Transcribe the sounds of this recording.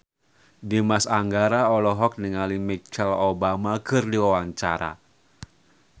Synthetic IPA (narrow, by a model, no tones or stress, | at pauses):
dimasaŋɡaɾaɔlɔɦɔk̚niŋalimit͡ʃɛlobamakɨrdiwawaŋt͡ʃa̰ɾa̰